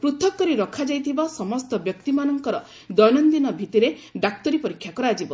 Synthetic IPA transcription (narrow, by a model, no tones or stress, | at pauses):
pɾut̪ʰɔkːɔɾiɾɔkʰad͡ʒajt̪ʰibasɔmɔst̪ɔbjɔk̚t̪imanɔŋkɔɾɔ | d̪ɔjnɔnd̪inɔbʱit̪iɾeɖak̚t̪ɔɾipɔɾikʰːjakɔɾad͡ʒibɔ